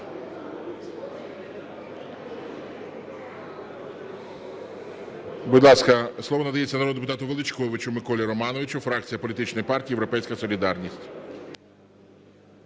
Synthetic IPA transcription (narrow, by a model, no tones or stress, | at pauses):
bʊd̪lˠɑskɐslˠɔʋɔnɐd̪ɐjet͡sʲːɐnɐɾɔd̪epʊt̪ɑt̪ʊʋelˠɪt͡ʃkɔʋɪt͡ʃʊmɪkɔlʲiɾɔmɑnɔʋɪt͡ʃʊfɾɑk̚t͡sʲijɐpɔlʲit̪ɪt͡ʃnɔjpɑrtʲiːjewɾɔpɛjsʲkɐsɔlʲid̪ɑrnʲisʲtʲ